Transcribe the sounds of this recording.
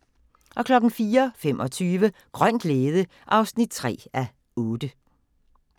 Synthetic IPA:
ʔɒ̽kʰlɒ̽ɡ̥n̩fiːɐfemʔɒ̽t͡sʰyːʋəɡ̥ʁœn̰d̥leːðˠə | ʔɑ̈ʊsnid̥̚t͡sʰʁɛ̰ːæ | ɔːd̥ə

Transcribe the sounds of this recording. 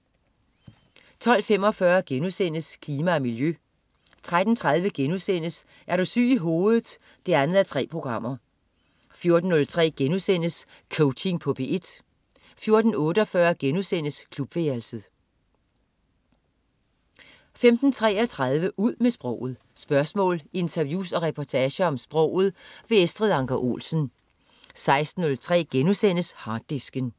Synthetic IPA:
t͡sʰɒ̽l̰fem̰ɒ̽fɶːɐɡ̥enusen̰əskʰliːmæːmiljø | t͡sʰʁad̥n̩t͡sʰʁað̞ˠʋəɡ̥enusen̰əs | ʔæɐɾosy̰ːiɦo̝ːð̩ˠ | d̥e̝ænð̩ˠæt͡sʰʁɛ̰ːpʰʁo̝ɡ̥ʁɑ̈m̰ɐ | fjo̝ɐd̥n̩ːɔ̽lt͡sʰʁɛ̰ːɡ̥enusen̰əs | kʰɔʊt͡ɕʰe̝ŋpʰɔ̽b̥e̝ʔe̝d̥ | fjo̝ɐd̥n̩ɔ̽ːɾəɒfɶːɐɡ̥enusen̰əskʰlub̥ʋeɐlsəð̩ˠ | femd̥n̩t͡sʰʁɛ̰ːɐt͡sʰʁað̞ˠʋəʔuð̞̰ˠmesb̥ʁɔʊ̰ð̞̩ˠ | sb̥ɶɐsmɔ̰ːle̝nt͡sʰɐʋjṵːsɒ̽ʁɛpʰɒt͡sʰɛːɕəɒ̽msb̥ʁɔ̽ʊ̰ð̞̩ˠʋe̝esd̥ʁiðˠɑ̈ŋɡ̥æʔo̝̰ːlsən̩ | sɑ̈ɪsd̥n̩ːɔ̽lt͡sʰʁɛ̰ːɡ̥enusen̰əshɑ̈ːd̥ːisɡ̥ən

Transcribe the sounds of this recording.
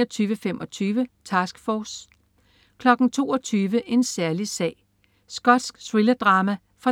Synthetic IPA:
ɐt͡sʰyːʋəfem̰ʔɒ̽t͡sʰyːʋət͡sʰɑsɡ̥fɒːs | kʰlɒ̽ɡ̥n̩t͡sʰo̝̰ːɒ̽t͡sʰyːʋəʔe̝nsæɐlisɛ̰ːɪ | sɡ̥ɒ̽d̥sɡ̥swilɐd̥ʁɑ̈ːmæ | fɑ

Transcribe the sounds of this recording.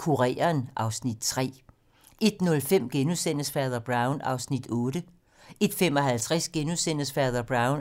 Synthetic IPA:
kʰuʁɛ̰ːɐnʔɑ̈ʊsnid̥̚t͡sʰʁɛ̰ː | e̝d̥nɔ̽lfem̰ɡ̥enusen̰əsfæɐðˠɐb̥ʁɑ̈ʊnɑ̈ʊsnid̥ɔ̽ːɾ̥ə | e̝d̥fem̰ɒ̽ɦælt͡sʰʁasɡ̥enusen̰əsfæɐðˠɐb̥ʁɑ̈ʊn

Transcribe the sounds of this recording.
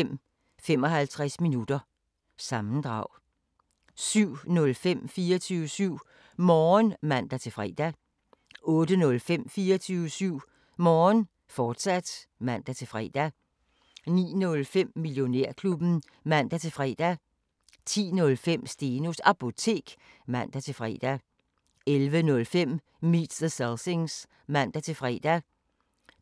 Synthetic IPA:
m̰ | fem̰ɒ̽ɦælt͡sʰʁasminud̥ɐ | sɑ̈mn̩d̥ʁɑ̈ʊ̰ | syʊ̰nɔ̽lfem̰fiːɐt͡sʰyʊəsyʊ̰ | mɒːnmæn̰d̥æt͡sʰe̝fʁɛd̥æ | ɔ̽ːd̥ənɔ̽lfem̰fiːɐt͡sʰyʊəsyʊ̰ | mɒːn | fɒːd̥sæd̥mæn̰d̥æt͡sʰe̝fʁɛːd̥æ | nḭːnɔ̽lfem̰miljo̝neɐ̰kʰlub̥n̩ | mæn̰d̥æt͡sʰe̝fʁɛ̰ːd̥æ | t͡sʰḭːnɔ̽lfem̰sd̥e̝nosɑ̈pʰo̝t͡sʰe̝̰ːɡ̥ | mæn̰d̥æt͡sʰe̝fʁɛ̰ːd̥æ | elʋənɔ̽lfem̰ | mid̥səselse̝ŋs | mæn̰d̥æt͡sʰe̝fʁɛ̰ːd̥æ

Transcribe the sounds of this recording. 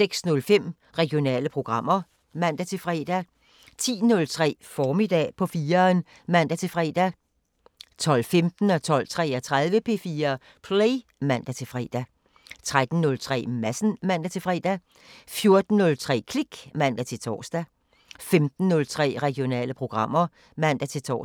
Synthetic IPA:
seɡ̥snɔ̽lfem̰ | ʁɛɡ̥jo̝nɛ̰ːləpʰʁo̝ɡ̥ʁɑ̈m̰ɐ | mæn̰d̥æt͡sʰe̝fʁɛ̰ːd̥æ | t͡sʰḭːnɔ̽lt͡sʰʁɛ̰ːfɒːmid̥ɛ̰ːpʰɒ̽fiːɐn | mæn̰d̥æt͡sʰe̝fʁɛ̰ːd̥æ | t͡sʰɒ̽l̰femd̥n̩ɒt͡sʰɒ̽l̰t͡sʰʁɛ̰ːɐt͡sʰʁaðˠʋəpʰe̝̰ːfiːɐ | pʰleɪmæn̰d̥æt͡sʰe̝fʁɛ̰ːd̥æ | t͡sʰʁad̥n̩nɔ̽lt͡sʰʁɛ̰ːmæsn̩mæn̰d̥æt͡sʰe̝fʁɛ̰ːd̥æ | fjo̝ɐd̥n̩ːɔ̽lt͡sʰʁɛ̰ːkʰliɡ̥mæn̰d̥æt͡sʰe̝t͡sʰɒ̰ːsd̥æ | femd̥n̩ːɔ̽lt͡sʰʁɛ̰ːʁɛɡ̥jo̝nɛ̰ːləpʰʁo̝ɡ̥ʁɑ̈m̰ɐ | mæn̰d̥æt͡sʰe̝t͡sʰɒ̰ː

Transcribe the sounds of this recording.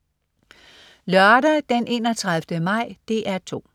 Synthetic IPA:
lœɐɾɐd̥enʔe̝̰ːnɒt͡sʰʁaðˠfd̥əmɑ̈ɪ̰d̥e̝ːʔæɐt͡sʰo̝̰ː

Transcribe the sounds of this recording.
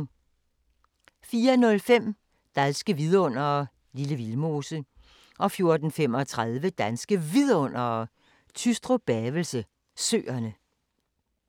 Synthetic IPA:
fiːɐnɔ̽lfem̰ | d̥ænsɡ̥əʋiðˠɔ̽n̰ɐ | liləʋilmo̝ːsə | ʔɒ̽fjo̝ɐd̥n̩fem̰ɒ̽t͡sʰʁaðˠʋəd̥ænsɡ̥əʋiðˠɔ̽n̰ɐ | t͡sʰysd̥ʁo̝b̥ɛːʋəl̩sə | sø̰ːɐnə

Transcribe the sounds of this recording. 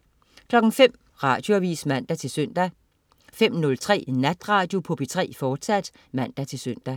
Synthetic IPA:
kʰlɒ̽ɡ̥ŋ̩fem̰ | ʁɑ̈ːd̥jo̝æʋḭːsmæn̰d̥æt͡sʰe̝lsøn̰d̥æ | fem̰nɔ̽lt͡sʰʁɛ̰ːnæd̥ʁɑ̈ːd̥jo̝pʰob̥it͡sʰʁɛ̰ːfɒːd̥sæd̥ | mæn̰d̥æt͡sʰe̝lsøn̰d̥æ

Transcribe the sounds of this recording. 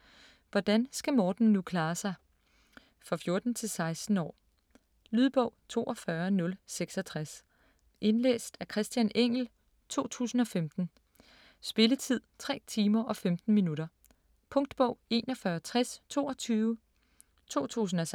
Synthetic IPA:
ʋɒd̥ænsɡ̥æmɒːd̥n̩ːukʰlɑ̈ːsɑ̈ɪ | fʁɑfjo̝ɐd̥n̩t͡sʰe̝lsɑ̈ɪsd̥n̩ɒ̰ː | lyðˠb̥ɔ̽ʊ̰t͡sʰo̝̰ːʔɒ̽fɶɐnɔ̽lseɡ̥sɒt͡sʰʁas | ʔe̝nlḛːsd̥æɐkʰʁɛsd̥jæneŋ̰l̩ | t͡sʰo̝̰ːt͡sʰṵːsn̩ɒ̽femd̥n̩ | sb̥e̝lət͡sʰið̞̰ˠt͡sʰʁɛ̰ːt͡sʰiːmɐʔɒ̽femd̥n̩minuɾɐ | pʰɔ̽ŋd̥b̥ɔʊ̰e̝ːnɒ̽fɶːɐt͡sʰʁast͡sʰo̝̰ːɒ̽t͡sʰyːʊə | t͡sʰo̝̰ːt͡sʰṵːsn̩ɒ̽s

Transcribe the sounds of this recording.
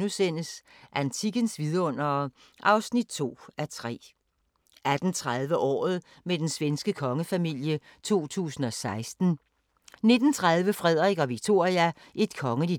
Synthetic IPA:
nusen̰əsʔænt͡sʰiɡ̥ənsʋiðˠɐɔ̽n̰ɐː | ʔɑ̈ʊsnid̥̚t͡sʰo̝̰ːæt͡sʰʁɛ̰ː | æd̥n̩t͡sʰʁað̞ˠʋəʔɒ̰ːð̞̩ˠ | med̥ensʋensɡ̥əkʰɒ̽ŋəfæmil̰jə | t͡sʰo̝̰ːt͡sʰṵːsn̩ɒ̽sɑ̈ɪsd̥n̩ | ne̝d̥n̩t͡sʰʁäð̞ˠʋəfʁɛð̞ˠʁɛɡ̥ɒ̽ʋiɡ̥̚t͡sʰo̝ɐ̰ʁiæ | ʔe̝d̥̚kʰɒ̽ŋədi

